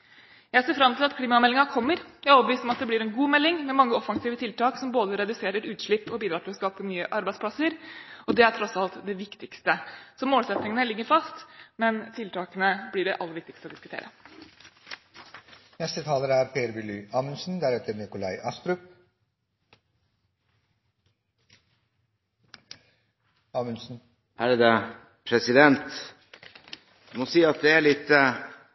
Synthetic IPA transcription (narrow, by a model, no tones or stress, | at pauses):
jæɪseːɾfɾɑmt̪ʰɪlɑt̪kʰliːmɑmɛlːɪŋɑkʰɔmːəɾjæɔpbəʋiːst̪ɔmɑt̪̚d̪ɛb̪ɪɾɛnɡuːmɛlːɪŋmɛmɑŋːəɔfɑŋsiːʋət̪ʰɪlt̪ɑːksɔmboːd̪əɾɛd̪ʉseːɾəʈʉːt̪ʂɭɪpːɔbiːd̪ɾɑːʈʰɪlɔskɑːpəmyːəʔɑɾbæɪd̪spʰlɑsəɾɔd̪ɛæʈʰɾɔsɑlt̪d̪ɛʋɪkt̪ɪkst̪əsɔmoːlsɛt̪nɪŋənəlɪɡːəɾfɑst̪mɛnt̪ʰɪlt̪ʰɑːkənəblɪɖɛ̰ʔɑlːəɾʋɪkt̪ɪkst̪əɔd̪ɪskʉt̪ʰḛːɾə̰ | nɛst̪ət̪ʰɑːləɾæɾpʰeːɾbɪlyːɑːmənsn̩d̪æɾɛt̪əɾnɪkʊlæɪʔɑst̪ɾʉp | ɑːmənsn̩ | ʔæɾd̪ɛ | pʰɾɛsɪd̪ɛnt̪ | mɔsiːɑt̪̚d̪ɛæɭɪt̪ːə